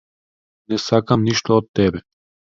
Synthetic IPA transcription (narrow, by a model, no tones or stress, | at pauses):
nɛsakamniʃt̪oot̪ːɛbɛ